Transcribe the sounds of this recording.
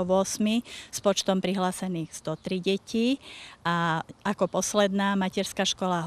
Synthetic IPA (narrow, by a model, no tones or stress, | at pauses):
ɔʋʊɔsmispɔt͡ʃt̪ɔmpɾiɦlaːsɛniːɣz̥d̪ɔt̪ɾiɟɛciaakɔpɔslɛd̪naːmacɛɾskaʃkɔlaɦ